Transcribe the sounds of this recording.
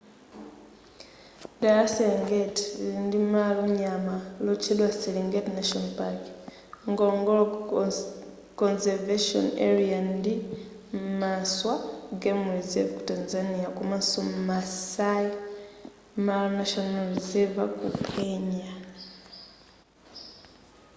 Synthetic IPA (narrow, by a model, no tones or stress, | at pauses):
daɾaseliŋɡetindimaloɲamalot͡ʃilwaseliŋɡetnaʃonpak | ŋɡoŋɡol | konzeɾveʃo̰nḛɾiandi | mmaswaɡemuizevku̥tanzanijakumasomumasai | malonaʃonalɾizevakukʰeɲa